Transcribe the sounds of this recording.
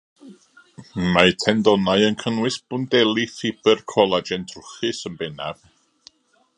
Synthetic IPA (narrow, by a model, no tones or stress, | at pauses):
majtʰɛndɔnaɨənkʰənwɨsb̥ʊndɛlˠifɪb̥ərkʰɔlˠad͡ʒɛndʰrʊχɨsənbɛnav̥